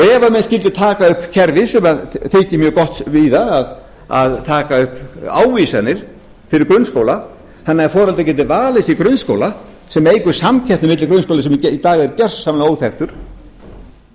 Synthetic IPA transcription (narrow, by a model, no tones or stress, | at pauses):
ɛːvamɛnscɪlt̪ɪt̪ʰaːkaʏhpcʰɛɾvɪsɛmaðθɪːcɪmjœːɣkɔht̪viðaað | a̰ðt̪ʰaːkaʏhpa̰ːwvisanɪɾ̥ | fɪɾɪɾkɾʏnskowla | hanːaɛɾfɔːɾalt̪acɛːt̪̬ɪvaːlɪsikɾʏnsko̰wla | sɛmejkʏ̥samcʰaht̪nɪmɪt̪lɪkɾʏnskowlasɛmit̪aːɣɛɾcɛr̥ssamlaoːwθɛxt̪ʏɾ̥